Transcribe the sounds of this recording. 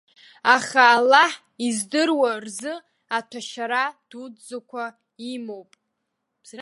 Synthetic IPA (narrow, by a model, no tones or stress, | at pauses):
aχaːlːaħ | izdɨrwarzɨ | atʰaʃaɾad̥udd͡zakʷʰa | imowpʼ